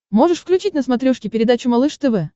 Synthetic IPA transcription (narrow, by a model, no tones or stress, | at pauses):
mo̞ʐɨʂfklʲʉt͡ɕitʲnəsmɐt̪ɾʲuʂkʲɪpʲɪɾʲɪd̪at͡ɕʊmɐlˠɨʂt̪ɨvɨ